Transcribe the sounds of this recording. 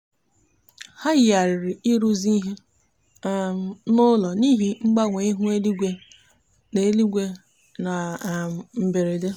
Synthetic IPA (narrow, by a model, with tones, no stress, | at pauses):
ha˦ɣɪ˨a˨ɾɪ˨ɾɪ˨i˦ɾu˦zi˦i˦ɦe˦˨ | nʊ˦lɔ˨ni˦ɦi˦ŋ͡m̩˦ɡ͡ba˦ŋʷe˨i˦ɦu˦e˦li˦ɡʷe˦ | ne˨e˦li˦ɡʷe˦ | na˨ | m̩˨be˨ɾe˨de˦